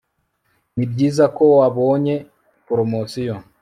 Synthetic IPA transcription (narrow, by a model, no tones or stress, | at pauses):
nibɟiːzako̞waβo̞ːɲe̞ | poɾomosijo